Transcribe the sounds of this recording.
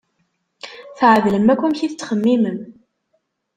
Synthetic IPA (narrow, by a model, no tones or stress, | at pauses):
θʕəðləmːækʷːæmçiθt͡sːχəmːiməm